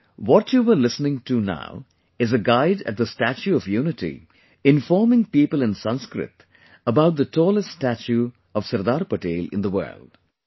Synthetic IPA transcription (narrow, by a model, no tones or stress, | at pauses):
ʋɔʈjuːʋəɾlɪsnɪ̃ŋʈuna̰ʊ | ɪzəɡaɪɖæ̰ʈ̚d̪əsʈæt͡ʃuɔʋjuːnɪʈḭ | ɪ̃nfɔːɾmɪ̃ŋpiːpəlɪ̃nsʌ̃nskɾɪ̰t̪ | əbaʊʈ̚d̪ətɔːləstʈːsʈæt͡ʃu | ɔʋsɐɾd̪aːɾpəʈeːlɪ̰̃nd̪əʋə̰ːlɖ̥